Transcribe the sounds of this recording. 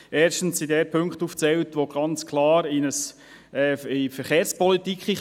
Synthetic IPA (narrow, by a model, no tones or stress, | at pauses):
ɛːɾʃtn̩sidɛɾpʰɵŋkχtuːft͡sɛltʋoɡ̥ɑnt͡skʰlɑːɾɪnəs | ɛɪfɛɾχeːɾspɔlitikχi